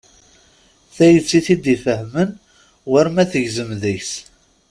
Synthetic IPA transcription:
θæjət͡sːiθid̪ifəɦmən | wæɾmæθəʝzəmðiçs

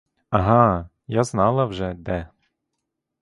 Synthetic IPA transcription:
aɦa | jaznalˠawʒɛd̪ɛ

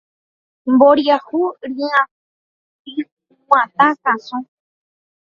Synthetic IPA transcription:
mboɾjahuɾĩã | i | w̃ʷãt̪ãkãsõ

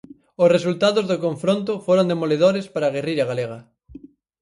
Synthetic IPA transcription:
ʊsresult̪aðozðokõɱfɾont̪ʊfoɾond̪emoleðoɾespaɾaɣ̞eriɾɐɣaleɣɐ

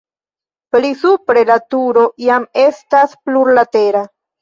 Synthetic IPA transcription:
plisupɾe̞lat̪uɾojame̞st̪aspluɾlat̪eɾa

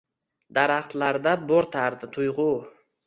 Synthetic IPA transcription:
d̪aɾaχt̪laɾd̪aboɾt̪ʰaɾd̪ɪt̪ʰʊjʁʊ

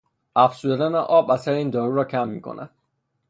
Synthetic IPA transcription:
æfsud̪æd̪æneʔɒbæsæɾiːnd̪ɒːɾuɾɒːkʰæmːḭkʰo̰nʔæ̰d̪̥

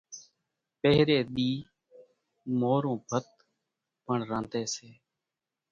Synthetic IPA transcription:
peːɾeːɗ̪iː | moːɾõːbʱət̪ | pəɳɾãːnt̪eːseː

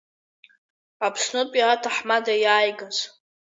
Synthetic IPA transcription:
apʰʂnɨpʼiatʰaħmadajaːjɡaz

